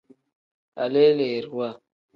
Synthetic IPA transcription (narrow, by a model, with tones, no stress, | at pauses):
a˨le˦le˨ɾhwa˦˨